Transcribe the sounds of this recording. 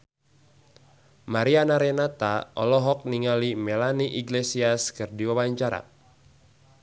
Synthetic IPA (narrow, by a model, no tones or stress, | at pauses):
maɾianaɾenat̪aʔɔ̰lɔɦɔk̚niŋalimɛlaniʔiɡlesiaskɨrdiwawaɲt͡ʃaɾa̰